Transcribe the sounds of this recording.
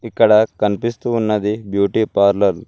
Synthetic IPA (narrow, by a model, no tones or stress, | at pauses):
ikːɐɽɐkɐnpist̪uːnːɐd̪ibjuːʈipaːɾlɐl